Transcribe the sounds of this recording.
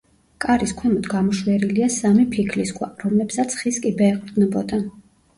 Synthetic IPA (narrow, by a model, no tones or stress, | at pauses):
kʼaɾiskʰwɛmɔt̪ɡamɔʃwɛɾiliasamipʰikʰliskʰʼwa̰ɾɔmlɛbsat̪sʰχiskʼibɛːqʼɾd̪nɛbɔd̪a